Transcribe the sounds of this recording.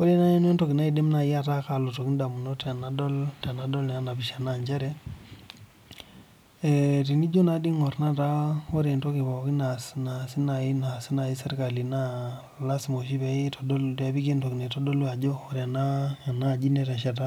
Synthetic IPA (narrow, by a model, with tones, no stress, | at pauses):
o˦ɾe˦na˦e˦ne˦nto˨ki˨na˦i˦de˦mna˨i˦a˦˨ta˦ka˨lo˨to˨ki˦nda˨mu˨no˦tɛ˨na˨dɔ˦lta˨na˨dɔ˦ln˨a˦na˨bi˨ʃa˨na˦˨ɲd͡ʒa˦ɾɛ˦ | e˨ti˨ni˦d͡ʒo˦na˨di˦ŋo˨ɾna˦ta˦o˦ɾe˨nto˦ki˨βɔ˨ki˦na˨sna˨si˦na˨i˦na˨si˦na˨i˦se˦ɾka˨li˨na˦ | la˦smo˨ʃ̬i˦be˨i˦to˨do˦lta˨bi˦ke˦nto˨ki˨ne˨to˦do˦lwa˨d͡ʒo˦o˦ɾe˨na˦a˨na˦˨d͡ʒi˦ne˨ta˨ʃa˨t̬a˦